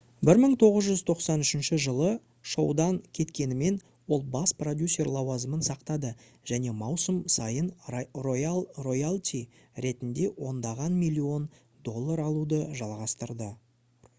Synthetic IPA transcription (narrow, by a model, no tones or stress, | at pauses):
bɪɾməɴt̪ʰo̞ʁəzʒʏzt̪ʰo̞qsɑnʏʃɪnʃɪʒəlˠə | ʃo̰wd̪ɑŋkʲʰe̞t̪kʲe̞nɪme̞n | wo̞lˠbɑsprod̪ʲjusʲːe̞rlˠɑwɑzəmənsɑqt̪ɑd̪ə | ʒ̥æne̞mɑwsəmsɑjənrojalˠro̞jalʲˠt̪ʲʰi | ɾe̞t̪ɪnd̪e̞wo̞nd̪ɑʁɑnmijlʲːio̞n | d̪o̞lˠːaɾɑlˠud̪əʒɑlˠʁɑst̪əɾd̪ə